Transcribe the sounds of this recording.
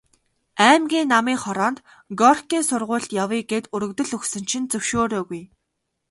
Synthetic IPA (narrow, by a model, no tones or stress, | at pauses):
æːmɡʲiːnːamiːχɔɾɔːnt̪ | ɡɔrkiːnsʊrʁʊːɮɬt̪jawiːɡeːt̪ɵɾɵ̆kt̪ɵ̆ɮɵksɵ̆nt͡ɕʰɪ̆nt͡sɵwʃoːɾoːɣuj